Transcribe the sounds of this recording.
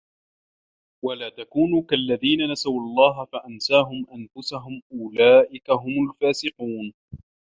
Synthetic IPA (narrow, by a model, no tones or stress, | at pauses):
walaːt̪akuːnuːkalːaðiːnanasawɑlˤːɑːɦafaʔansaːɦʊmʔanfʊsaɦʊmʔʊlaːʔɪkaɦʊmʊlfaːsɪquːn